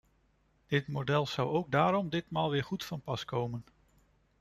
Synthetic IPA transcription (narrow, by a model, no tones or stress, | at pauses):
d̥ɪtmodɛlˠz̥ʌwowɡ̚daːɾɔmdɪtmaːlˠʋɪːɹχutfɑnpɑskowmən